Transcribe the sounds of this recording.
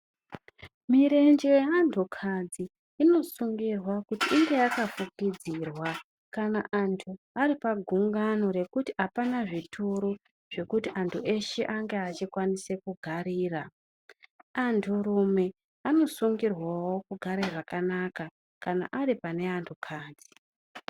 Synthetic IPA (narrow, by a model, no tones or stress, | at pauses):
miɾe̞nd͡ʒejeantʰukʰad͡ziː | no̞suŋɡirwakutiʔːŋɡe̞akafukid͡ziːrwa | kanaʔantʰu | aɾipaɡʱuŋɡano̞ɾe̞kutiapanaʐitʰuɾu | ʐ̥e̞kutiʔantʰuʔe̞ʃe̞ʔaŋɡe̞at͡ʃikwanise̞kuɡʱaɾiːra | antʰuɾume̞ | ano̞suŋɡirwawo̞kuɡʱaɾeʐakanaka | kana̰ʔaɾipane̞antʰukʰaːd͡zi